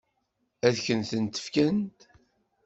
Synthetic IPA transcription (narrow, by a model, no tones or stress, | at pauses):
æðçənθənt̪ə̥fkænt̪